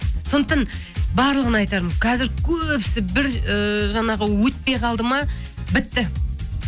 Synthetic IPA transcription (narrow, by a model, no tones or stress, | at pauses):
so̞nd̪ət̪ɑn | bɑɾlˠəʁənɑjt̪ɑɾmqʰɑzɪɾkʲʰɵpsɪbɪɾəʒɑɴɑʁəwɵt̪̚pejqʰɑlˠd̪əmɑbɪt̪ːɪ